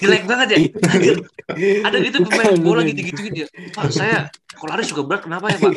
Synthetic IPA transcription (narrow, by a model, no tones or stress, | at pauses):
dilajak̚baŋət̪̚jaaɡə | adaɡit̪̬upəmaɡolaɡid̪iɡit̪uɡit̪ujapausajakalaɾɪsukabəlat̪̚kənapajapa